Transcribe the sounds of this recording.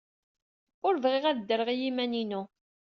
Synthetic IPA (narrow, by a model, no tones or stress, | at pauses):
ʊɾvʁɪʁæðd̪ːəɾəʁijimæninu